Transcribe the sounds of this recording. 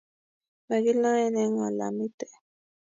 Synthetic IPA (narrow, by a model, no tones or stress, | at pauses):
meɣilaeneŋala̰mit̪e